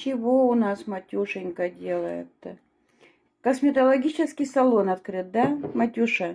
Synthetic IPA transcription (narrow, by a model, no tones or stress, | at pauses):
t͡ɕɪvoʊnasmɐtʲuʂɨnʲkədʲelˠəjɪ̰t̪ːə | kəsmʲɪt̪əlˠɐɡʲit͡ɕɪskʲɪjsɐlˠonɐt̪̚kɾɨt̪̚d̪amɐtʲuʂə